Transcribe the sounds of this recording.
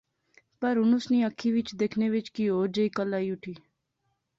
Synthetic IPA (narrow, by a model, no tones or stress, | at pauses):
pəɾʊnʊsnĩːəkʰːiːʋɪt͡ʃd̪eːkʰneːʋɪt͡ʃkioːd͡ʒəiːkəlːaːiːʊʈʰiː